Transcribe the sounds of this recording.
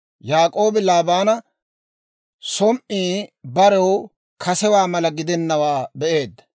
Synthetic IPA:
jaːkʼo̞ːbɪlaːbaːnɐ | sɔmʔiːbɐɾɛw | kɐsɛwaːmɐlɐɡɪd̪ɛnːɐwaːbɛʔe̞ːd̪ːɐ̥

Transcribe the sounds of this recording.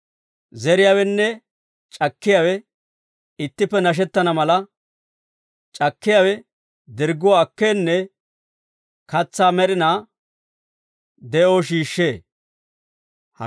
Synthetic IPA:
zɛɾɪjawɛnːɛ | t͡ʃʼɐkːɪjawɛ | ɪt̪ːɪpːɛnɐʃ̬ɛt̪ːɐnɐmɐlɐ | t͡ʃʼɐkːɪjawɛ | d̪ɪɾɡʊwaːkːeːnːɛ | kɐt͡sːaːmɛɾɪnaː | d̪ɛʔoːʃ̬iːʃːeː | hɐ

